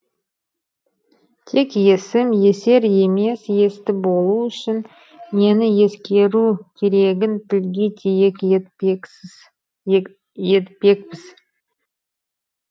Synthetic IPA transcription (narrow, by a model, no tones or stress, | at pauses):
t̪ʰe̞kje̞sɪmje̞se̞ɾje̞me̞sje̞st̪ɪbo̞lˠuʏʃɪn | me̞nɪje̞skʲe̞ɾukʲʰe̞ɾe̞ɡʲɪnt̪ʰɪlɡʲet̪ʲʰejek̪ | je̞t̪pe̞kpɪz̥